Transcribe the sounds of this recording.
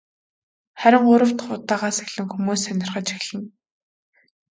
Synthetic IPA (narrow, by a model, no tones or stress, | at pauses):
χæɾʲɪ̆ŋɢʊɾə̆w̥t̪χʊt̪ːaːʁaːseɣɮɘ̆ŋxumuːsœnʲɪ̆rχə̆t͡ɕixɮɘ̆ŋ